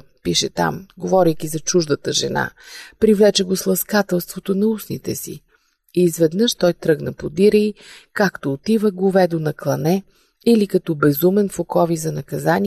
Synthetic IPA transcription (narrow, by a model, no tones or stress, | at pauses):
piʃɛt̪a̰mɡovɔɾijk̟izɐt͡ʃuʒd̪ət̪əʒɛ̰na̰pɾivlɛt͡ʃɛɡoslˠɐskat̪ɛlˠst̪vot̪onɐusnḭt̪ɛsḭ | iːzvɛd̪nɤʃt̪ɔjt̪ɾɤɡnɐpod̪iɾəikakt̪oːt̪ivəɡovɛd̪onɐklˠɐnɛ | ilikɐt̪ɔbɛzumɛnfokɔvizɐnɐkɐzani